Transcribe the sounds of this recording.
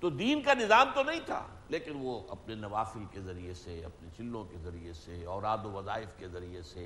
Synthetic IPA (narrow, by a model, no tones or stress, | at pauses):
t̪od̪iːnkanɪzaːmt̪onɐɦĩt̪ʰa̰ː | leːkɪnʋoɐ̰pnenɐʋaːfɪlkezɐɾieseɐ̰pnet͡ʃʰɪlːõkezɐɾieseɔːɾaːd̪oʋɐzaːɪfkezɐɾiese